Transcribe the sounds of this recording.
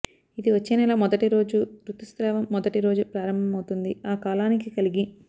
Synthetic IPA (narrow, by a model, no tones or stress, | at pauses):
id̪iʋɐt͡ʃːeːnɛlɐmɔd̪ɐʈiɾo̞ːd͡ʒut̪ɾut̪ːust̪ɾɛːʋɐmːɔd̪ɐʈiɾo̞ːd͡ʒupɾaːɾɐmbʱɐmɐwt̪und̪iaːkaːlaːnikikɐliɡi